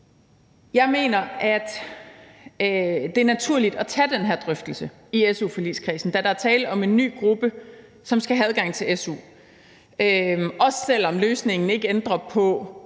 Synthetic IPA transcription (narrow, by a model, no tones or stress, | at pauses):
jɑ̈ɪme̝̰ːnɐæd̥ | d̥e̝æɐnæt͡sʰuɐ̰lid̥ɒ̽t͡sʰæd̥enɦæɐ̰d̥ʁœfd̥l̩sə | iesṵːfɒlḭːskʰʁḭːsn̩d̥æɾɑ̈æɐt͡sʰɛːləʔɒ̽me̝nːy̰ːɡ̥ʁub̥ə | sɒ̽msɡ̥æɦææð̞ˠɡ̥ɑ̈ŋ̰t͡sʰe̝lesṵː | øʔɒ̽ssel̰ɒ̽mløːsne̝ŋn̩e̝ɡ̥əend̥ʁɐpʰɒ̽